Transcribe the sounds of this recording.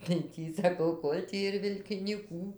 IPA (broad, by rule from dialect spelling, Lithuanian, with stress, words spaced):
tɐɪ ˈtʲiː sɐˈkɐʊ ˈkoːlʲ tʲiː ɪr ʋʲɪlʲkʲɪnʲiːˈkuː